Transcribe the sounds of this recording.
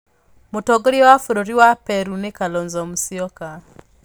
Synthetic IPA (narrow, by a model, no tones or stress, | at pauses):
motɔɡoɾjɔwafoɾoɾiwapɛɾunekalɔnzɔmusiɔka